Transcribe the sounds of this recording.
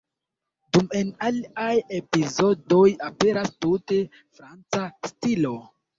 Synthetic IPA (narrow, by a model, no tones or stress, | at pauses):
dume̞naliaje̞pizo̞do̞jape̞ɾastute̞ | fɾant͡sastilo̞